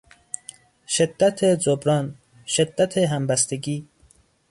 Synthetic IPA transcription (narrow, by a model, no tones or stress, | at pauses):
ʃed̪ːæt̪ʰed͡ʒobɾɒːn | ʃed̪ːæt̪ʰeɦæmbæst̪eɡiː